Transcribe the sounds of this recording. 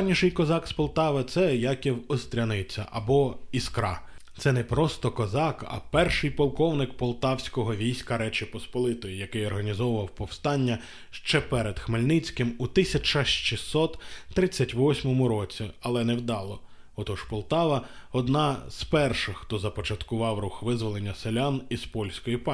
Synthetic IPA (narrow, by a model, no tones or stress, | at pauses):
nʲiʃɪjkɔzɑkspɔlˠt̪ɑʋɐt̪sɛjɑkʲiwɔst̪ʲɾʲɐnɪt͡sʲɐ̰ʔɐbɔiskɾɑt̪sɛnɛpɾɔst̪ɔkɔzɑkɐ̰pɛrʃɪjpɔlˠkɔwnɪkpɔlˠt̪ɑwsʲkɔɦɔʋʲijsʲkɐɾɛt͡ʃɪpɔspɔlˠɪt̪ɔjijɐkɪjɔrɦɐnʲizɔwʊʋɐwpɔwst̪ɑnʲːɐ | ʃt͡ʃɛpɛɾed̪xmelʲnɪt͡sʲkɪmut̪ɪsʲɐt͡ʃɐʃt͡ʃisɔt̪ːɾɪt͡sʲːɐtʲʋɔsʲmɔmʊɾɔt͡sʲiɐlˠɛnɛwd̪ɑlˠɔ | ɔt̪ɔʒpɔlˠt̪ɑʋɐɔd̪nɑz̥pɛrʃɪxxt̪ɔzɐpɔt͡ʃɐt̪kʊʋɑwruxʋɪzʋɔlˠenʲːɐselʲanispɔlʲsʲkɔjipɑ